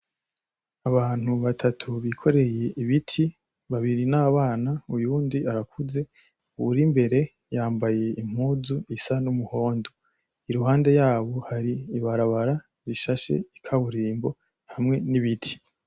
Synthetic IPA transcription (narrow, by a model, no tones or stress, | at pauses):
aβaːn̥huβatʰatʰuβikʰo̞ɾe̞je̞iβitʰi | βaβiɾinaβaːnaujuːndiaɾakʰuze̞ | uuɾimbe̞ɾe̞ | jaːmbaje̞im̥huːzuisanumuho̞ːndo̞ | iɾuɦaːnde̞jaːβo̞haɾiiβaɾaβaɾa | ɾiʃaʃe̞̰ikʰaβuɾiːmbo̞ | hamŋe̞niβitʰi̥